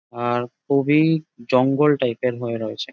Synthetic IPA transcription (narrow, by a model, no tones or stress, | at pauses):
aɾkobid͡ʑɔŋɡolʈajpeɾɦoeɾojet͡ɕʰe